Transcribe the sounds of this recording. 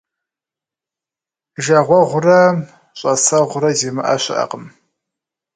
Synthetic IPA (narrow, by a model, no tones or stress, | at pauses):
ʒaʁʷɔʁʷʊrɐm | ɕʼɐsɐʁʷʊrɐzeːmɨʔa̰ɕɐ̰ʔɐ̰qʼəm